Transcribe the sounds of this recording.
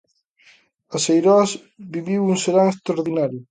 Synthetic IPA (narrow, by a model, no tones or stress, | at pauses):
ɐsejɾɔas | biβiwuŋseɾaŋest̪ɾaoɾðinaɾjʊ